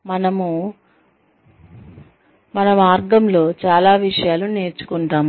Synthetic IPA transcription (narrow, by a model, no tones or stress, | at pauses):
mɐnɐmu | mɐnɐmaːɾɡɐmlo̞ːt͡ʃaːlaːʋiʂɐjaːlune̞ːɾt͡ʃu̥kuɳʈaːm